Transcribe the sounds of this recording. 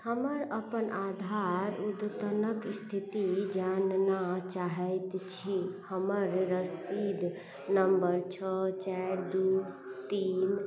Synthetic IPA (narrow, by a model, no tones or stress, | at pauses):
həməɾəpənʔad̪ʱaɾud̪t̪ənəkst̪ʰit̪id͡ʒannat͡ʃaɦəjt̪t͡ʃʰihəməɾɾəsid̪ʱ | nəmbəɾt͡ʃʰɔt͡ʃaɾd̪u | t̪in